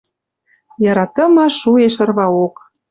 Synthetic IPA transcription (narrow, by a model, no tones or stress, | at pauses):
jɑɾɑt̪ə̆mɑʃueʃɤ̆rβɑok